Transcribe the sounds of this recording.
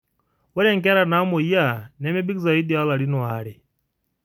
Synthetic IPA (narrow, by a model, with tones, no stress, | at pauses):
wɛ˦ɾɛ˦ŋkɛ˦ɾa˨na˦mɔ˨ija˦˨nɛ˦mɛ˦bi˦kza˨i˦di˨a˦la˨ɾinwaɾɛ